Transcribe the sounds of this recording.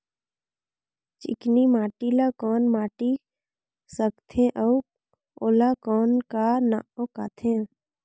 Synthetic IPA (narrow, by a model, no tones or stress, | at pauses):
t͡ʃɪ̰knimaːʈilakɔːnmaːʈi | səkt̪ʰẽʔɔ | oːlakɔːnkanaokaːt̪ʰẽː